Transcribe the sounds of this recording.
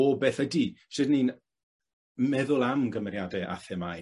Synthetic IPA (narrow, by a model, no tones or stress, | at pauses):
ɔbeːθədiʃɨdniːn | mɛðʊlˠamɡəmɛɾjadɛʔa̰θɛmaj